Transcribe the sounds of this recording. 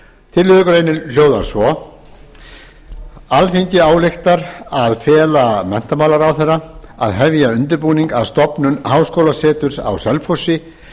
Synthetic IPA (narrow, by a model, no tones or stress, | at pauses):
t̪ʰɪlːɪðʏkʏɾeːjnɪl̥joːwðaɾ̥svɔ | alθiɲcɪaːwlext̪aɾaðfɛːlamɛn̥t̪amaːwlaɾawθɛrːaaðɦɛvjaʏnt̪̬ʏɾpuːniŋkavst̪ɔpnʏnhawskoːwlasɛːt̪ʏɾ̥sa̰wsɛlfowsɪ